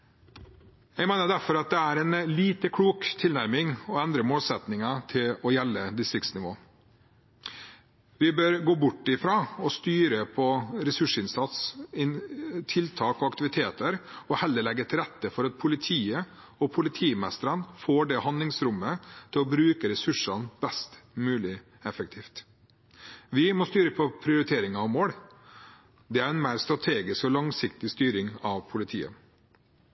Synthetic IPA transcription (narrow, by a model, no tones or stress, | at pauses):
jɛɡmeːnəɖ̪æɾfɔɾɑt̪̚d̪ɛæɾɛnliːt̪əkʰɽuːkt̪ʰɪlnæɾmɪŋɔɛnd̪ɾəmoːlsɛt̪nɪŋɑt̪ʰɪlɔjɛlːəd̪ɪst̪ɾɪk̚t̪snɪʋo̰ː | ʋɪbøːɾɡoːbʊʈːɪfɾɑːɔst̪yːɾəpʰɔɾɛsʉʂɪnsɑt̪sɪnt̪ʰɪlt̪ʰɑːkɔɑkt̪ɪʋɪt̪ʰeːt̪əɾɔhɛlːəɭɛɡːət̪ʰɪlɾɛt̪ːəfɔɾɑt̪̚pʰʊlɪt̪ʰiːə | ɔpʰʊlɪt̪ʰiːmɛst̪əɾənfoːɖɛhɑnd̪lɪŋsɾʊmːət̪ʰɪlɔbɾʉːkəɾɛsʉʂɑnb̥ɛst̪mʉːlɪ | ɛfək̚t̪ʰiːft̪ | ʋɪmɔst̪yːɾəpʰɔpʰɾɪʊɾɪt̪ʰeːɾɪŋɑʋmoːɽ | d̪ɛæɾɛnmæɪɾst̪ɾɑt̪ʰeːɡɪskɔlɑŋsɪkt̪ɪst̪yːɾɪŋɑʋpʰʊlɪt̪ʰḭːə̰